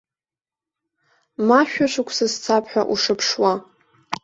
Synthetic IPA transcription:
maʃᶣaʃʷɨkʷʰsɨzt͡sʰapʰħʷᶣa̰ʔuʂɨpʰʂwa

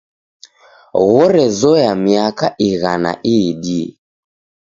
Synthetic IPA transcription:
ɣɔɾɛzɔjamiakaʔiɣana̰ʔiɗi

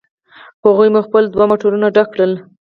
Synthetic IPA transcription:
haɣujmuxpəld̪wamoʈoɾunaɖakːɽəl

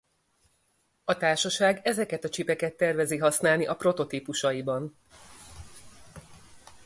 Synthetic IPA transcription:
ɒt̪aːrʃɒʃaːɡɛzɛkɛt̪ɒt͡ʃipɛkɛt̪ːɛrvɛziɦɒsnaːlniʔɒpro̞t̪o̞t̪iːpuʃɒibɒn

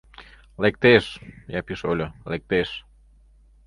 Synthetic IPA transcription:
lek̚t̪eʃjapiʃolʲolek̚t̪eʃ

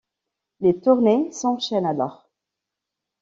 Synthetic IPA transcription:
let̪uʁnesɑ̃ʃɛnalɔʁ

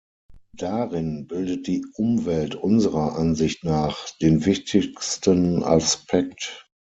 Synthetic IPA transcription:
d̥aʁɪnbɪldət̚d̥iːʔʊmvɛltʔʊnzəʁɐʔanzɪçtnaːχd̥eːnvɪçtʰɪkstəna̰spʰɛk̚t

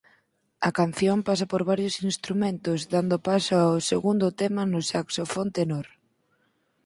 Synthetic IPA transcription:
ɐkan̟θjompasapoɾβaɾjʊsinst̪ɾumẽnt̪ʊzðand̪ʊpasoawseɣund̪ʊt̪ɛmɐnʊsaksofont̪enoɾ

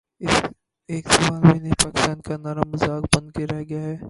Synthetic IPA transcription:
eːksɐmaːlmẽːnepaːkɪ̥st̪aːnkanaːɾamʊzaːkbɐ̃nd̪keɾɛɦɡɐjaɦɛː

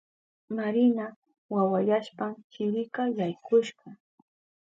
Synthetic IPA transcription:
maɾɪna | wawajaʃpamkɪɾɪkajajkʊʃɢɑ

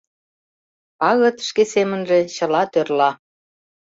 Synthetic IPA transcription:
ɑɣɤ̆t̪ʃkesemə̆nʒĕt͡ɕə̆lɑt̪ørlɑ

